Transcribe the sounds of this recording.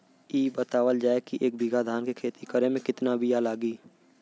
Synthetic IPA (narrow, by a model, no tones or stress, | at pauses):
iːbət̪aːwəld͡ʒaːekiʔeːk̚bʱɪɡad̪ʱaːnkekʰeːt̪ikəɾemẽkɪt̪nabijalaːɡiː